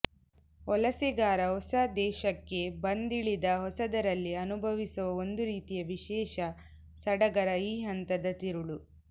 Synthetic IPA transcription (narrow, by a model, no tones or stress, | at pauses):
ɔlɐsiɡaːɾɐɦɔsɐd̪ɛːʃɐkːe̞bɐnd̪iɭid̪ɐɦɔsɐd̪ɐɾɐlːiɐnubʱɐʋisuʋɐond̪uɾiːt̪ijɐʋiʃɛːʃɐ | sɐɽɐɡɐɾɐiːɦɐnt̪ɐd̪ɐt̪iɾuɭu